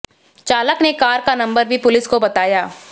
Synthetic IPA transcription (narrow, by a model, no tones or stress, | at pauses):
t͡ʃaːləknekaːɾkanɐ̃mbəɾbʱipʊlɪskobɐt̪aːjaː